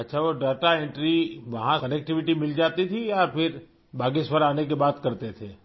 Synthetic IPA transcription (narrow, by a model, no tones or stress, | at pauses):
ɐtːʃʰaʋoɖaːʈaẽɳʈɾiʋɐɦãkɐnɛk̚ʈɪʋɪʈimɪld͡ʒaːt̪it̪ʰiɔːɾpʰɪɾ | bʱaːɡisʋəɾaːnek̬ebaːt̪kɐɾt̪et̪ʰeː